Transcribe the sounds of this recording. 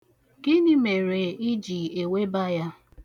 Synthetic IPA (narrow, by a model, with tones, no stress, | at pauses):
ɡɪ˦nɪ˦me˨ɾe˨ɪ˦d͡ʒi˨e˨we˦ba˦ja˦